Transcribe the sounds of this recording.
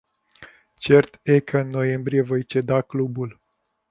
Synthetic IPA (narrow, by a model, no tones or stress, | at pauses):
t͡ʃe̞rt̪ekʰəɨnːo̞je̞mbɾije̞vo̞jt͡ʃe̞d̪aklubul